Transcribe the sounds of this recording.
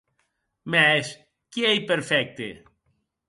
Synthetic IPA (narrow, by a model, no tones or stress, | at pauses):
mɛs | kiɛjpeɾfɛk̚t̪ḛ